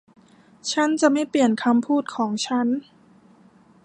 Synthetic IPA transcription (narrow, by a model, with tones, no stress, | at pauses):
t͡ɕʰa˦˥˨nt͡ɕa˨˩ma˥˩jpli˨˩ənkʰa˧mpʰuː˥˩t̪̚kʰɔː˩˦ŋt͡ɕʰa˦˥n